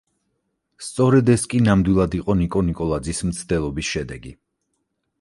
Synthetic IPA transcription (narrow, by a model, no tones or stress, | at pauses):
st̪sʼɔɾɛd̪ɛskʼinamd̪wilˠad̪iqʼɔnikʼɔnikʼɔlˠad̪zismt̪sʰd̪ɛlˠɔbisʃɛd̪ɛɡi